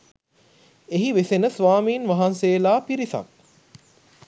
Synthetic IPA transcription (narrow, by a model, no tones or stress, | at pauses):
eɦiʋesenəsʋaːmiːnʋaɦanseːlaːpiɾisɐ̰k̚